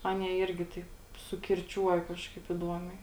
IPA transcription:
ˈɑːnʲiɛ ˈɪrʲɡʲɪ ˈtɐɪp sʊkʲɪrʲˈt͡ʃʲuɔjɛ ˈkɑːʃkɐɪp ɪˈduɔmʲɛɪ

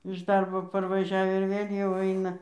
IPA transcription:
ɪʃ ˈdɐrboː pɐrʋɐˈʒʲɛw ɪr ˈʋʲeːlʲ jɛʊ ˈɐɪnɐ

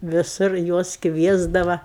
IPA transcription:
ʋʲɪˈsʊr ˈjuɔs ˈkʋʲiɛzdɐʋɐ

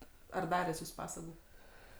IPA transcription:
ɐr ˈdɑːrʲæːs ˈjuːs ˈpɑːsɐɡʊ

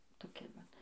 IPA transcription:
toːˈkʲɪ ʋɐt

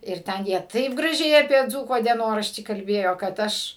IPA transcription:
ɪr ˈtʲɛn jiɛ ˈtɐɪp ɡrɐˈʒʲɛɪ ɐpʲiɛ ˈd͡zuːkoː dʲiɛˈnoːrɐʃʲtʲiː kɐlʲˈbʲeːjoː kɐt ˈɐʃ

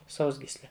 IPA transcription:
ˈsɐʊzʲɡʲiːsʲlʲɛ

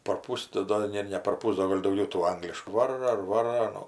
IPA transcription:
pɐrˈpʊs tɐɪ ˈdoː ˈnʲɛ nʲɛ pɐrˈpʊs ˈdoː ɡɐlʲ dɐʊˈɡʲɛʊ tuː ˈɐŋɡlʲɪʃkuː ˈʋɑːroː ɪr ˈʋɑːroː ɐˈnuː

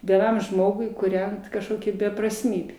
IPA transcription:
ʋʲiɛˈnɐm ˈʒmoːɡʊɪ kuːˈrʲɛnt kɐʃˈkoːkʲɛ bʲɛprɐsʲˈmʲiːbʲeː

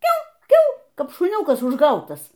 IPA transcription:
ˈkʲɛʊ ˈkʲɛʊ ˈkɐp ʃʊˈnʲuːkɐs ʊʒˈɡɐʊtɐs

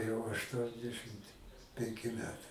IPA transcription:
jɛʊ ɐʃˈtuɔnʲdʲɛʃɨmt pʲɛŋʲˈkʲɪ ˈmʲæːtɐɪ

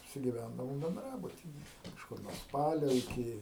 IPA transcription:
ɐpʲsʲɪɡʲɪˈʋʲændɐʋoːm bʲɛnˈdrɑːbʊtʲɪjɛ kɐʃˈkʊr nuɔ ˈspɑːlʲoː ɪˈkʲɪ

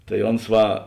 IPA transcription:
tɐɪ ˈoːns ˈʋɐ

